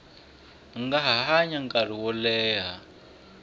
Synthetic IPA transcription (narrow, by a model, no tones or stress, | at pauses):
ŋɡaɦaɦaɲaŋkar̤iwɔlɛːɦa